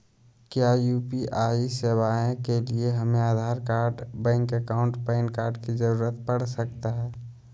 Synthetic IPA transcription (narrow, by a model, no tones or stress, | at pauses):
kjajuːpiʔaːisewaːẽkelieɦɐmẽaːd̪ʱaːɾkaːɾɖbɛ̃ːŋkekaːʊ̃ɳʈpɛɪnkaːɾɖkizəɾuːɾət̪pəɽ̤sək̚t̪aɦɛː